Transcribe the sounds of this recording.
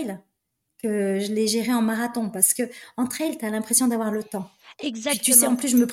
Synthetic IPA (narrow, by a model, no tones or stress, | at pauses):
l | kəʒəlɛʒeʁeɑ̃maʁat̪ɔ̃paʁsə̥kəɑ̃t̪χɛjlt̪yalɛ̃pχesjɔ̃d̪avwaʁlət̪ɑ̃ɛɡzat̪ysɛɑ̃plysʒəməp